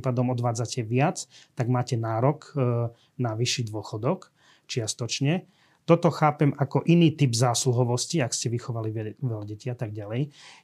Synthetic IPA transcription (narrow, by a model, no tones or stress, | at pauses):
pad̪ɔmɔd̪ʋaːd͡zacɛʋɪat͡st̪aɡmaːcɛnaːɾɔk | naʋiʃːiːd̪ʊɔxɔd̪ɔk | t͡ʃɪast̪ɔt͡ʃɲɛ | t̪ɔt̪ɔxaːpɛmakɔʔiniːt̪ibzaːsluɦɔʋɔsciakscɛʋixɔʋaliʋɛʎaɟɛciat̪aɡ̚ɟalɛj